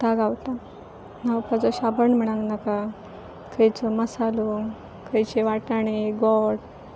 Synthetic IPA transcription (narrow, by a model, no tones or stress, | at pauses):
t̪aɡawt̪a | nawpad͡zɔɕabəɳm̤əɽ̃ãŋɡnaka | kʰəjt͡sɔməsalo | kʰəjt͡ɕeʋaʈaɽ̃eɡɔɽ